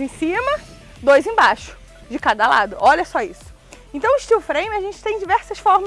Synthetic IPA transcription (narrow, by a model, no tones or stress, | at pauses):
ẽj̃sĩmɐ | d̪ojzẽj̃baʃʊ̥ | d͡ʒɪkad̪ɐla̰d̪ʊʔɔlɐsɔisʊ̥ | ẽnt̪ɐ̃w̃ɪʃt͡ʃiwfɾẽjmɪɐʒẽnt͡ʃɪ̥t̪ẽj̃d͡ʒivɛɾsɐʃfɔɾm